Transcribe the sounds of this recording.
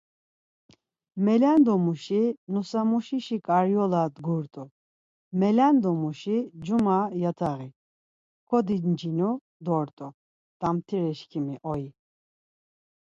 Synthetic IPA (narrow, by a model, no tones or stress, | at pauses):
mɛland̪ɔmuʃinusamuʃiʃikʼaɾjɔlad̪ɡuɾt̪ʼu | mɛland̪ɔmuʃid͡ʒumajat̪ʰaɣi | kʰɔd̪ind͡ʒinu | d̪ɔɾt̪ʼu | d̪̥amt̪ʰiɾɛʃkʰimiʔɔi